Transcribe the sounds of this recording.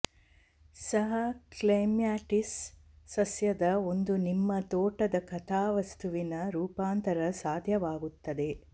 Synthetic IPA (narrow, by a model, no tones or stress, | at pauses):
sɐɦɐklɐjmjaːʈisːɐsjɐd̪ɐo̞nd̪unimːɐt̪oːʈɐd̪ɐkɐt̪ʰaːʋɐst̪uʋinɐɾuːpaːnt̪ɐɾɐsaːd̪ʱjɐʋaːɡut̪ːɐd̪e̞